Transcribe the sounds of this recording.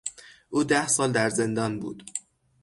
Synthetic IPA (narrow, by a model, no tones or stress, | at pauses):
ʔuːd̪æhsɒːld̪æɾze̞nd̪ɒːnbṵːd̪̥